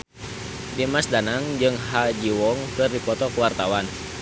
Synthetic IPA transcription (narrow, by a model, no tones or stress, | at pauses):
demasdanaŋd͡ʒɨŋɦad͡ʒiwɔŋkɨrdipɔt̪ɔkəwart̪awan